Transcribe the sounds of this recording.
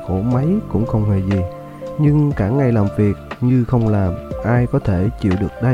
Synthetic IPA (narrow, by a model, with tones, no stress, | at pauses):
ko˧˩ma˨˦jkʊ̰˧˥ŋ͡mxə˧wŋ͡mhe˨˩zi˨˩ | ɲɨ˧ŋkaː˧˩ŋa˨˩jlaː˨˩mvi˨˩ək̚ɲɨ˧xə˧wŋ͡mlaː˨˩mʔaː˧jkɔ˨˦t̪ʰe˧˩t͡ɕḭ˧˨əwɗɨ˨˩ək̚ɗa˧